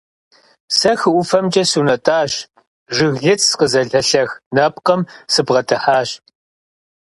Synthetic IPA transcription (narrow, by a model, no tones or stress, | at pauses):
sɐxɨʔʷʊfɐmd͡ʒʼɐsunɐtʼaːɕ | ʒɨɣɮɨt͡sʰʼsqəzɐɮɐɬɐxnɐp̚ʼqɐmsɨbʁɐtʰɨħaːɕ